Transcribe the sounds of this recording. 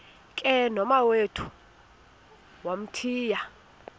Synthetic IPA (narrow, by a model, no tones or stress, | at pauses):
kʼɛnɔmawetʰu̥ | wam̩tʰiːja